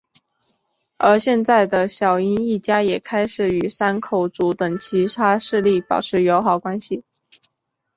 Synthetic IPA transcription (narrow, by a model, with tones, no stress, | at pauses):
ə˞˧˥ɕjɛ˥˧nt͡sa˥˩ɪd̪ə˩ɕjɑ˨˩ʊi˥ni˥˩t͡ɕja˥jɛ˨˩kʰa˥ɪʂɻ̩˨˩y˨˩sa˥nkʰo˨˩ʊt͡su˧˥t̪ɤ˨˩ŋt͡ɕʰi˧˥t̪ʰa˥ʂɻ̩˥˧li˥˩pɑ̰˨˩ʊʈ͡ʂʰɻ̩˧˥jo˧˥ʊxɑ˨˩ʊkwa˥nɕi˨